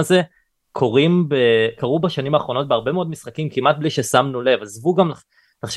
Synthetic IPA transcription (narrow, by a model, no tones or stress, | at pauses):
aze | kʰo̞ʁimbekaʁubaʃanimaːχʁo̞not̚beaʁbe̞meo̞d̪misχakimkimat̪̚bliʃesamnulevazvuɡam | laχʃ